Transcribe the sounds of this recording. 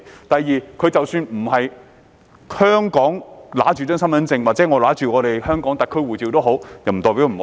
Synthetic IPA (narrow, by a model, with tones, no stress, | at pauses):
t̪ɐ˨jːiː˨˧kʰɵ˨˧t͡sɐ˨wsyː˧nm̩˨˩hɐ˨j | hœː˥ŋkɔː˨˥ŋla̰ː˨˥t͡ʃyː˨˩t͡sœː˥ŋsɐ˥nmɐ˨˥nt͡sɪ˧ŋwaː˨˩t͡sɛ˨˥ŋɔː˨˧laː˨˥t͡ʃyː˨ŋɔː˨˧ɾe˨˩jhœː˥ŋkɔː˨˥ŋt̪ɐ˨kʰːɵ˥wuː˨˩t͡siː˨wt̪o˥wɦo˨˥wjɐ˨˩m̩˨˩t̪ɔː˨˩pi˨˥wm̩˨˩ho˨˦